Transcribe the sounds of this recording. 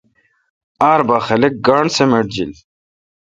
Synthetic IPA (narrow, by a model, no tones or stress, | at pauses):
aːɾbaːχɐlek̚ɡaːɳsemeʈ̚d͡ʑil